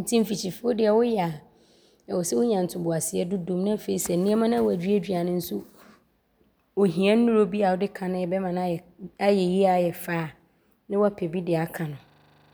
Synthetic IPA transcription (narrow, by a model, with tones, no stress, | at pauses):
n̩˨tʰĩ˦m̩˦fi˨t͡ɕʰi˨fʊ˦ʊ˦dɪ˨ɛ˨wʊ˦jɛ˨a˨ | ɛ˨wʊ˨sɛ˦wʊ˦ɲã˨n̩˨tʰʊ˨bʊ˨a˨sɪ˨ɛ˦dʊ˦dõ˨mnã˦˨fe˨i˨sɛ˨n̩˨nɪ̃˦ɛ˦mã˦nã˦wʊ˨æ˨dᶣi˦æ˦dᶣi˨˦a˨nɪ̃˦n̩˦su˦ | o˨ɦĩ˨ã˦n̩ː˦ʊ̃˦ɾo˦bi˦a˨wʊ˦dɪ˦kʰã˨nʊ̃˦ɛ˨bɛ˦mã˨n˦a˦˨a˦jɛ˨ji˦a˨jɛ˨faː˦˨ | nɪ̃˦wɔ˦a˦pʰɛ˨bi˦dɪ˨a˨kʰã˨nʊ̃˨